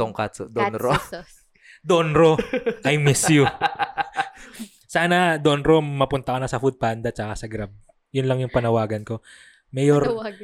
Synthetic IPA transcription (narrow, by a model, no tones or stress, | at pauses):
t̪ʊŋkat̪od̪onɾo | d̪onɾoʔɐjmisju | saːnɐd̪o̞nɾo̞mɐpʊnt̪ɐkɐnɐsɐfud̪̚pand̪ɐt͡ʃɐkasɐɡɾab̚ | jʊnlɐŋjʊŋpɐnɐwaːɡɐnko̞ | mɛjoɾ